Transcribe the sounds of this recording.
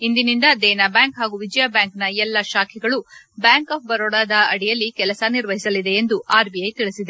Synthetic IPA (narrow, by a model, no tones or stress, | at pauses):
ind̪inind̪ɐd̪ɛːnabjaːŋkɦaːɡuʋid͡ʒjaːbjaːŋknɐɛlːɐʃaːkʰɛɡɐɭu | bjaːŋkaːp̚ʰbɐɾoːɽaːd̪ɐɐɽijɐlːikɛlɐsɐniɾʋɐɦisɐlid̪e̞end̪uaːɾbijɐjt̪iɭisid̪e̞